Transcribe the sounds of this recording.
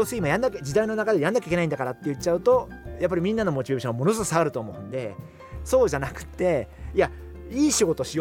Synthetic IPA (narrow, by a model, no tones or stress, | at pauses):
oːsɨimajãnːakʲd͡ʑid̪aino̞nakad̪ejãnːakʲeikʲeaĩnd̪akaɾat̪ːe̞jɯ̟t͡ɕaɯ̟t̪o̞japːaɾʲimʲĩnːano̞mo̞t͡ɕibebiɕõamo̞no̞s̬ɨkɯ̥saɡaɾɯ̟t̪o̞ːmo̞ɯ̟̃nd̪e̞̰ | so̞ːʑanakɯ̟̥t̪ːe̞ia | iːɕiɡo̞t̪o̞ɕio